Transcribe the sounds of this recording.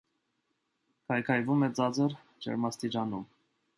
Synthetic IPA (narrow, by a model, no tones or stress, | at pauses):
kʰɑjkʰɑjvumɛt͡sɑd͡zəɾ | d͡ʒɛ̰ɾmɑst̪id͡ʒɑnum